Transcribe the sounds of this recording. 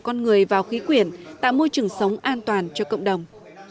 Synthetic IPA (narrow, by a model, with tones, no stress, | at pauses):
kɔ˧nŋɨ˨˩əjvaː˨˩wxi˨˦kwi˨˧˩ənt̪a̰ː˧˨jmo˧jt͡ɕɨ˨˩əŋsə˨˦wŋ͡mʔaː˧nt̪waː˨˩nt͡ɕɔ˧kə̰˧˨wŋ͡mɗə˨˩wŋ͡m